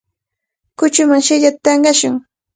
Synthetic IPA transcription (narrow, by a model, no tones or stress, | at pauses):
kʊt͡ʃʊmaŋʃɪʎat̪at̪ɑɴɢɑʃʊŋ